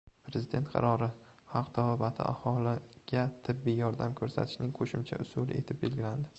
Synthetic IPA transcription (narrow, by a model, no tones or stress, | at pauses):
pʰɾezɪd̪e̞nt̪qʰɑ̰ɾɒɾɪhɑqd̪ʰavɒbat̪ʰɪ̰ʔa̰hɒlˠɪɡ̥ʲat̪ʰɪbːɪjɒɾd̪amkʰɵɾsa̰t̪ʰɪ̥ʃnɪŋqʰoʃɪmt͡ʃʰa̰ʔʊsʊlˠɪ̰e̞̰t̪ʰɪp̚be̞lɡʲɪland̪ɪ